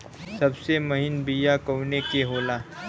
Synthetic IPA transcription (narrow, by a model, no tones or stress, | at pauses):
sɐbsemɐɦɪnbijakəwnekeɦoːlaː